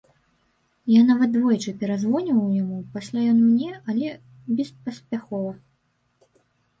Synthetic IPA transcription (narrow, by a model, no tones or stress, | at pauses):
janavɐt̪̚d̪vɔjɛt͡ʂɨpʲɛɾazvɔnʲivɐwjamupasʲlʲajɔnmnʲɛɐlʲɛ | bʲɛspɐsʲpʲaxɔvɐ